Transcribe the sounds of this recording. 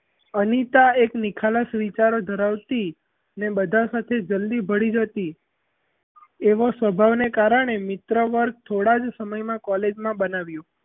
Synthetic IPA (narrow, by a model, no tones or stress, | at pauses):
ənit̪aeknikʰaləsʋit͡ʃaɾod̪ʱəɾaʋt̪i | nebəd̪ʱasat̪ʰed͡ʒəld̪ibʱəɽid͡ʒət̪i | eʋosʋəbʱaʋnekaɾəɽ̃emɪt̪ɾəʋəɾɡ̚t̪ʰoɽad͡ʒsəməjmãkɔled͡ʒmãbənaʋjũ